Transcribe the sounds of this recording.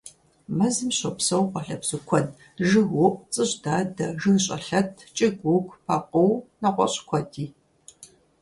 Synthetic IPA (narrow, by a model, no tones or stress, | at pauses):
mɐzɨmɕɔpsɐwqʷɔɬɐbz̥ɨkʷʰɔn | ʒɨɦʊʔʷt͡sʼɨɕdaːdɐʒɨnɕʼɐ̰ɬɐtʰt͡ʃʼɪɡʷʊɡʷpʰɐqəwnɐqʷɔ̰ɕʼkʷʰɔdʰiː